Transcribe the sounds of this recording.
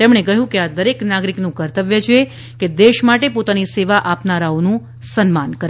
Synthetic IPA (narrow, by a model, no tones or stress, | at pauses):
t̪emɽ̃ekəɦjũkead̪əɾeknaɡɾiknũkəɾt̪əʋjət͡ʃʰe | ked̪eʃmaʈepot̪aniseʋaʔapnaɾaonũ | sənmankəɾ